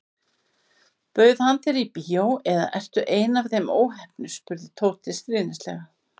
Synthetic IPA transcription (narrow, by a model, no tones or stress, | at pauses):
pœːɥðhant̪ɛɾipiːowɛða̰ʔɛr̥t̪ʏʔeːjnavθejmo̰ːwɦɛhpnʏspʏɾðɪt̪ʰoːwt̪ɪst̪ɾɪːnɪst̪lɛ̰ɣa